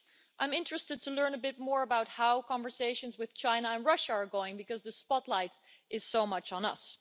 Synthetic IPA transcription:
ʔãɪ̃mɪ̃ntɹ̥ɨstɨd̚tʰəlɜ̃˞nəbɪt̚mɔɹəbaʊt̚haʊkʰɑ̃ɱvə˞seɪʃɨ̃nzwɨð̥t͡ʃʰãɪ̃nəə̃nɹʌʃəː˞ɡoʊɪ̃ŋbɨkʌzðɨspɑtˡlaɪɾ | ʔɪz̥soʊmʌt͡ʃn̩ʌ̰s

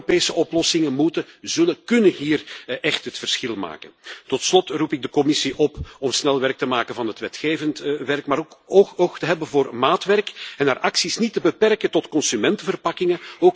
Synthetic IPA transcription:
peːsəʔɔplɔsɪŋənmutəzɵləkɵnəɦiːrʔɛxtɦətfərsxɪlˠma̰ːkəntɔtslɔtrupɪɡ̚dəkɔmɪsiʔɔpɔmsnɛlˠʋɛrk̚təmaːkənvɑnɦətʋɛtxeːvəntʋɛrkmaːɾkooxtəɦɛbənvoːrmaːtʋɛrkɛnaːrʔɑksisnitəbəpɛrkətɔtkɔnsymɛntəvərpɑkɪŋəoːk

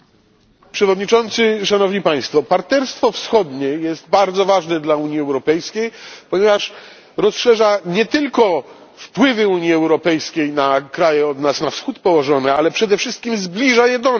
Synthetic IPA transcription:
pʂɛvɔd̪ɲit͡ʂɔnt̪sɘʂanɔvɲipaj̃st̪fɔpaɾt̪ɛɾst̪fɔfsxɔd̪ɲɛjɛzd̪̚baɾd̪zɔvaʐnɛd̪lauɲjiɛwɾɔpɛjskʲejpɔɲɛvaʂ | ɾɔsʂɛʐaɲɛt̪ɘlkɔ | fpwɘvɘuɲiɛwɾɔpɛjskʲejnakɾajɛɔd̪nasnafsxut̪pɔwɔʐɔnɛalɛpʂɛd̪ɛfʂɘst̪̚kʲimzblʲiʐajɛd̪ɔn

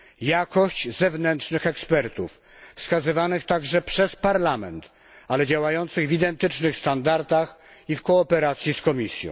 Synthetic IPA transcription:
jakɔɕt͡ɕzɛvnɛntʂnɘxɛkspɛɾt̪uf | fskazɘvanɘxt̪aɡʐɛpʂɛspaɾlamɛ̰nt̪ | alɛd͡ʑawajɔnt̪sɘɣvid̪ɛnt̪ɘt͡ʂnɘxst̪and̪aɾd̪ax | ifkɔːpɛɾat̪sʲjiskɔmʲisʲjɔ̰̃w

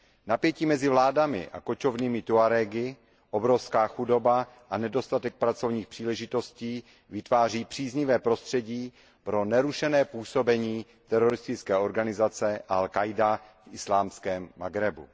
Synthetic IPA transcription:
napjɛciːmɛzɪvlaːdamɪ̰ʔa̰ko̞t͡ʃo̞vniːmɪt̪uaɾɛɡɪ | ʔobɾo̞fskaːxudo̞ba | ʔanɛdo̞st̪at̪ɛk̚pɾat͡so̞vɲiːxpr̥iːlɛʒɪt̪o̞sciː | vɪt̪vaːr̝iːpr̝̥iːzɲɪvɛːpɾo̞st̪r̝̥ɛɟiː | pɾo̞nɛɾuʃɛnɛːpuːso̞bɛɲiː | t̪ɛɾoɾɪst̪ɪt͡skɛːo̞ɾɡanɪzat͡sɛʔalkajdafʔɪslaːmskɛːmːaɡɾɛbṵ

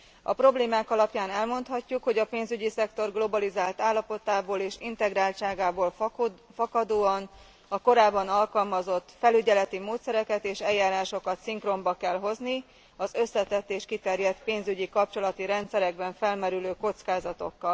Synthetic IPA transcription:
ɒ̰pro̞bleːmaːkɒlɒpjaːnɛlmo̞nt̪hɒcːukho̞ɟɒpeːnzyɟisɛkt̪o̞rɡlo̞bɒlizaːlt̪aːlːɒpo̞t̪aːboːleːʃint̪ɛɡraːlt͡ʃaːɡaːboːlfɒkɒd̪oːɒn | ɒko̞ɾaːbːɒnɒlkɒlmɒzo̞t̪ːfɛlyɟɛlɛt̪imoːt̪sɛɾɛkɛt̪eːʃɛjːaːɾaːʃo̞kɒt̪siŋkro̞mbɒkɛlɦo̞zni | ɒzø̞sːɛt̪ɛt̪ːeːʃkit̪ɛrjɛt̪peːnzyɟikɒpt͡ʃo̞lɒt̪iɾɛnt̪sɛɾɛɡ̚bɛɱfɛlmɛɾyløːko̞t̪skaːzɒt̪o̞̰kːɒl

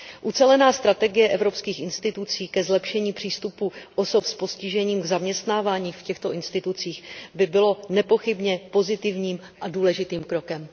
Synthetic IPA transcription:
ʔut͡sɛlɛnaːst̪ɾat̪ɛɡɪjɛʔɛvɾo̞pskiːxʔɪnst̪ɪt̪ut͡siːkɛzlɛpʃɛɲiːpr̝̥iːst̪upuʔoso̞pspo̞scɪʒɛɲiːmɡzamɲɛst̪naːvaːɲiːfcɛxt̪o̞ʔɪnst̪ɪt̪ut͡siːxbɪbɪlo̞nɛpo̞xɪbɲɛpo̞zɪt̪ɪvɲiːm | ʔaduːlɛʒɪt̪iːmkɾo̞kɛm

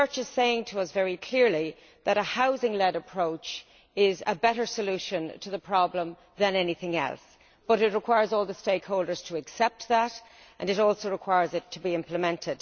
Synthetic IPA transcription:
ɜ˞t͡ʃɨz̥seɪɪ̃ŋtʰəʌsvɛɹikʰl̥ɪɹli | ðəɾəhaʊzɪ̃ŋlɛɾəpʰɹ̥oʊt͡ʃ | ɪzə̰bɛɾə˞səlʉʃə̃ntʰəðəpʰɹ̥ɑblə̃m | ðə̃nɛniθɪ̃ŋɛ̰lˠs | b̥ʌɾɨt̚ɹəkʰw̥aɪə˞zɔːlˠðəsteɪkhoʊlˠdə˞z̥tʰəɨksɛp̚t̪̚ðəɾ | ʔə̰̃nɨɾɔlˠsoʊɹəkʰw̥aɪəɹzɨtʰəbiɪ̃mpləmɛ̃ntʰɪd̥

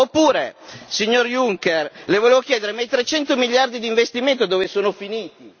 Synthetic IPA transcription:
opːuːɾesiɲːorjuŋkerlevoleːvokjɛːd̪eɾemejt̪ɾet͡ʃɛnt̪omiʎːard̪id̪iːɱvest̪iment̪od̪oːvesoːnofiniːt̪i

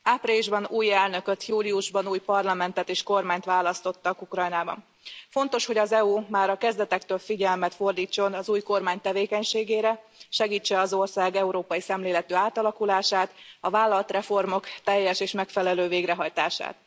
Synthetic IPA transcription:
aːpreːliʒbɒnuːjɛlnø̞kø̞t̪juːliuʒbɒnuːjpɒrlɒmɛnt̪ɛt̪eːʃko̞rmaːɲt̪ʋaːlɒst̪o̞t̪ːɒkukrɒjnaːbɒ̰n | fo̞nt̪o̞ʃho̞ɟɒzɛuːmaːɾɒkɛzd̪ɛt̪ɛkt̪øːlfiɟɛlmɛt̪fo̞rd̪iːt͡ʃːo̞nɒzuːjko̞rmaːɲt̪ɛveːkɛɲʃeːɡeːɾɛ | ʃɛɡiːt͡ʃːɛɒzo̞rsaːɡɛuɾoːpɒjisɛmleːlɛt̪øːaːt̪ɒlɒkulaːʃaːt̪ɒvaːlːɒlt̪rɛfo̞rmo̞kt̪ɛjːɛʃeːʃmɛkfɛlɛløːveːɡrɛɦɒjt̪aːʃa̰ːt̪

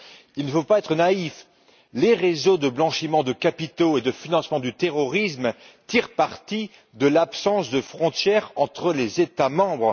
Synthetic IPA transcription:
ilnəfopaɛt̪χənaif | leʁezod̪əblɑ̃ʃimɑ̃d̪əkapit̪oed̪əfinɑ̃smɑ̃d̪yt̪eʁɔʁism | t̪iʁpaʁt̪i | d̪əlapsɑ̃sd̪əfχɔ̃t̪jɛʁɑ̃t̪χəlezet̪amɑ̃bʁ

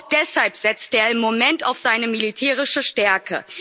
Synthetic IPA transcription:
d̥ɛshalpz̥ɛt͡stəeːɐɪmːomɛntaʊfz̥aɪnəmilitʰɛːʁ̞ɪʃəʃtɛɐkʰə̰

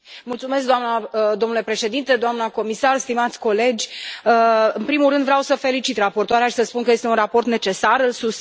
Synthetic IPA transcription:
mult̪sume̞skd̪oamnəd̪o̞mnule̞pɾe̞ʃe̞d̪int̪ed̪oamnəko̞misarst̪imat̪sʲko̞le̞d͡ʒʲəɨnpɾimulrɨnd̪vɾeawsəfe̞lit͡ʃit̪rapo̞rt̪oaɾeaʃi̥səspunkəje̞st̪eunrapo̞rt̪ne̞t͡ʃe̞sarɨlsus

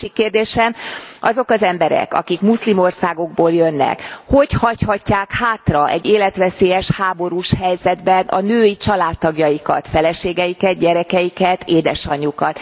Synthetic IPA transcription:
ikːeːrd̪eːʃɛmʔɒzo̞kɒzɛmbɛɾɛ̰kɒ̰kikmuslimo̞rsaːɡo̞ɡboːljønːɛ̰kho̞chɒchɒcːaːkhaːt̪rɒʔɛ̰ɟːeːlɛt̪ʋɛseːjɛʃhaːbo̞ɾuʃhɛjzɛd̪bɛnʔɒ̰nøːit͡ʃɒlaːt̪ːɒɡjɒjikɒ̰t̪fɛlɛʃeːɡɛjikɛd̪̚ɟɛɾɛkɛjikɛt̪ʰeːd̪ɛʃɒɲːukɒt̪

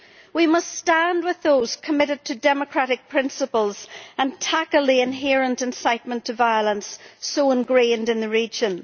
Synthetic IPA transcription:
wimʌststãnd̚wɪðoz̥kʰəmɪɾɨd̚tʰɨdɛməkʰɹ̥aɾɨk̚pʰɹ̥ɪ̃nsəpəl̩ˠz̥ə̃ntʰakəl̩ˠiɪ̃nɦɛɹə̃ntɨ̃nsaɪt̚mə̃ntʰɨvaɪəlˠə̃nsːoə̃nɡɹẽndɨ̃nðɨɹid͡ʒɨ̃n

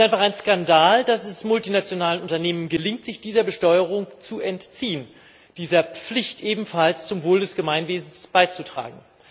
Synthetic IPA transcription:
tʔaɪnfaχaɪnskandaːldasɛsmʊltinat͡sjonaːlənʊntɐneːmənɡəlɪŋtz̥ɪçd̥iːzɐbəʃtɔʏəʁ̞ʊŋt͡suɛntt͡siːən | d̥iːzɐp͡flɪçtʔeːbm̩falst͡sʊmvoːldɛsɡ̥əmaɪnveːzn̩sb̥aɪt͡sutʁ̥a̰ːɡŋ̩

